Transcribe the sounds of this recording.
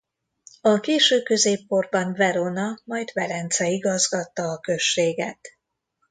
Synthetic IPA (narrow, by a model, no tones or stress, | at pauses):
ɒkeːʃøːkø̞zeːpːo̞rbɒnvɛɾonɒmɒjd̪vɛɾɛnt̪sɛiɡɒzɡɒt̪ːɒːkø̞ʃeːɡɛ̰t̪